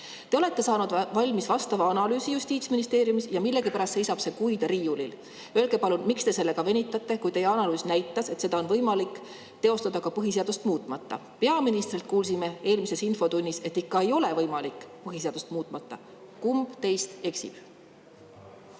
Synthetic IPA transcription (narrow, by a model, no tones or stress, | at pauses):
t̪e̞o̞le̞t̪ːˑe̞sɑːnud̪vɑlʲmisvɑst̪ɑvɑɑnɑlyːsijust̪iːt̪sminist̪e̞ːɾjumisjɑmilːe̞ɡipæɾɑst̪sejsɑb̥se̞kujd̪̥ɑɾiːulil | ølɡe̞pɑlunmikst̪e̞se̞lːe̞ɡ̥ɑve̞nʲit̪ːˑɑt̪ˑːe̞kujt̪e̞jeɑnɑlyːsnæjt̪ːˑɑse̞t̪se̞d̪̥ɑonvɤjmɑlikˑ | t̪e̞o̞st̪ɑd̪̥ɑkɑpɤɦis̬e̞ɑd̪̥ust̪muːt̪ːˑmɑt̪ːɑ̰ | pe̞ɑminist̪rilt̪̚kuːls̬ime̞e̞ːlmise̞sinfo̞t̪unʲːise̞t̪ːikːɑe̞jo̞le̞vɤjmɑlikːˑpɤɦis̬eɑd̪̥ust̪muːt̪ːˑmɑt̪ˑːɑ | kumb̥t̪e̞jst̪e̞ksḭb̥